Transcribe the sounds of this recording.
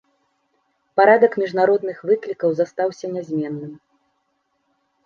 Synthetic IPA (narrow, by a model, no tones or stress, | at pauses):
paɾad̪ɐkmʲiʐnaɾɔd̪nɨxvɨklʲikɐwzast̪awsʲɐnʲazʲmʲɛnːɨm